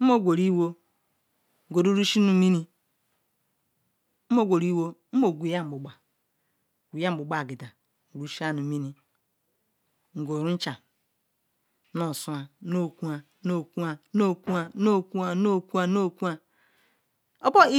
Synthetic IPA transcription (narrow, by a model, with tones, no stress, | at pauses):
m̩˦mo˦˨ɡʷo˨ɾi˦wo˦˨ | o˨ɾu˦ɾu˦ʃi˦nu˨˦mi˦ni˦ | mo˦ɡʷo˨ɾi˦wo˦m̩˦mo˨ɡʷi˨˦ja˦m̩˨bu˨ɡ͡ba˨ | ɡʷi˨ja˦m̩˨bu˨ɡ͡ba˨ɡi˨da˨ | ɾu˦ʃi˦a˦nu˨mi˦ni˦ | ŋ̩˨ɡo˨ɾu˦n̩˦t͡ʃa˨˦ | no˨su˦a˨˦no˦˨ku˦a˨˦no˦˨ku˦a˨˦no˦˨ku˦a˨˦no˦˨ku˦a˨no˦˨ku˦a˨˦no˦˨ku˦a˨ | o˦bo˦i˦